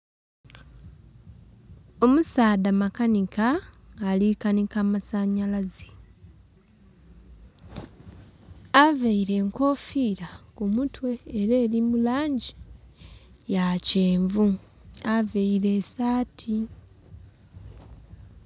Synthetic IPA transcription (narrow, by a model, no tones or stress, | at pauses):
o̞musaːdamakanikaalikanikamasaɲalazi̥ | aveiɾe̞ːŋko̞fiːɾakumutwe̞ːɾeːlimulaːɲɟi | jaceːɱvu | aveiɾe̞ːsaːtʰi